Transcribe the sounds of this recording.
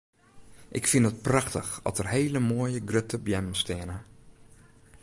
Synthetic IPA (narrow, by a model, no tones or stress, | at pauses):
ʔɪ̰kfindət̚praxtəxɔ̰tərhejləmoəjəɡrøtəbjɛməstɪənə